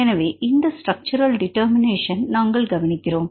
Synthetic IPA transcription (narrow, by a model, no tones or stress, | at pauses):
ɐɳɐʋeʔind̪ɐsʈrɐk̚t͡ɕuɾɐlɖiʈːɐːɾmineːʂɐnnɐŋɡɐɭɡɐʋɐnikʲːɐɾoːm